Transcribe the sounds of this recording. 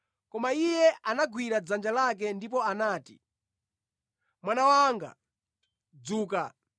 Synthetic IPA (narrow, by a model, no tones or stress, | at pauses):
kɔmaijɛanaɡwiɾad͡zand͡ʒalak̬ɛndip̬ɔanaːtḭ | mwanawaŋɡa̰ | d͡zuːka